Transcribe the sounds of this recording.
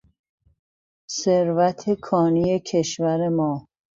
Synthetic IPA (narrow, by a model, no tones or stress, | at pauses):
seɾvæt̪ʰekʰɒːnijecʰe̞ʃvæɾemɒː